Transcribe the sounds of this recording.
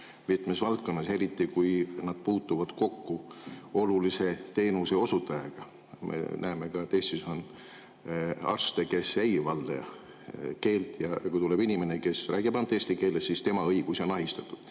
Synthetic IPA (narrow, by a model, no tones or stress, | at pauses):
mit̪mesvɑlt̪̚ko̞nːɑse̞ɾit̪ːikujnɑd̪̥̚puːt̪ːuvɑd̪̥ko̞kːuo̞lulise̞t̪e̞ːnuse̞o̞sut̪ːˑɑjɑɡ̥ɑ | mʔḛnʔæeme̞kɑt̪est̪isɑn | ɑ̰rst̪eke̞se̞jvɑld̪̥ḛɑ | ke̞ːlt̪jɑjɑkujt̪uleb̥inime̞neke̞sræːɡ̥ib̥ɑnt̪ːˑe̞sʲt̪ike̞ːlːessist̪e̞mɑɤ̞jɡ̥usio̞nɑɦist̪ɑt̪ːˑud̪̥